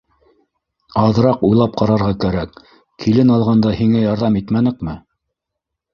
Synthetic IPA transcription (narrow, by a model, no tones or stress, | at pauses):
ɑðɾɑqujlˠɑp̚qɑɾɑɾʁɑkæɾæk | kʰilɘnɑlˠʁɑnd̪ɑhiŋæjɑɾðɑmit̪mænɘkmɘ